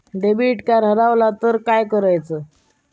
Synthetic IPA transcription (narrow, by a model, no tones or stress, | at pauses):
ɖebiʈkaɾɦəɾaʋlat̪əɾkajkəɾajt͡sə